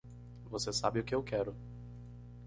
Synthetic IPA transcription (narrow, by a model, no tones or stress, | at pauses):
vosesabɪʊkɪewkɛɾʊ